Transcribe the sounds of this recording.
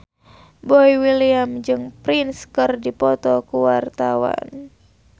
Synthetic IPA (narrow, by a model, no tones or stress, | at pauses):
bɔiwiliamd͡ʒɨŋpɾinskɨrdipɔt̪ɔkuwart̪awa̰n